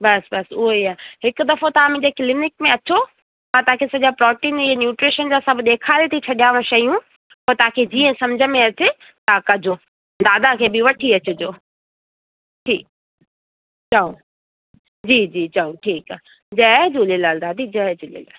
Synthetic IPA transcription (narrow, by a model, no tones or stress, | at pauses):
bɐsbɐsʊɦoiaːɦɪkʊd̪ɐfot̪ɐʋãmẽɲd͡ʑekɪlɪnɪkmẽɐt͡ɕo | ãt̪ɐãkʰesɐʄapɾɔːʈiːnianjuːʈɾeːʃənd͡ʑasɐbʱɗ̪eːkʰaːɾet̪ʰit͡ɕʰɐɗijaːʋə̃ɽ̃ʃɐijũ | pot̪ɐãkʰed͡ʑiːə̃sɐmd͡ʑʱəmẽɐt͡ɕe | t̪ãkɐd͡ʑʱoː | d̪aːd̪akʰeːbɪʋɐʈʰiɐt͡ɕʊd͡ʑoː | ʈʰiːk | t͡ɕɐõ | d͡ʑiːd͡ʑiːt͡ɕɐõʈʰiːka | d͡ʑɐd͡ʑuːlilaːld̪aːd̪id͡ʑɐɦd͡ʑuːlɪ̰la̰ːl